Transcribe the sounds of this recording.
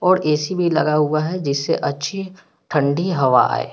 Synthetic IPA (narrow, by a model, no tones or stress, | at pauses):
ɔːɾeːsibʱilɐ̰ɡaɦuaɦɛd͡ʒɪsːeʔɐtːʃʰi | ʈʰɐ̃ɳɖiɦɐʋa̰a̰ːḛː